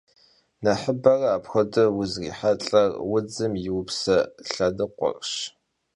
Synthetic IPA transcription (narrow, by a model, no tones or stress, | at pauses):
nɐħəbɐrɐaːpxʷɐdɨwʊzrḭːħaɬʼɐrwʊd͡zɨmjɪwʊpsɐɬɐdɨqʷɔ̰rʃ